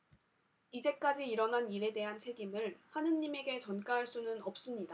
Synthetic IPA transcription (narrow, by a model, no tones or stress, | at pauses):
id͡ʑe̞k͈ad͡ʑiːɾʌnaniɾe̞de̞ɦant͡ɕʰe̞ɡimɯɭhanɯnːime̞ɡe̞t͡ɕʌnk͈aɦaɭs͈unɯnʌp̚s͈ɯmɲida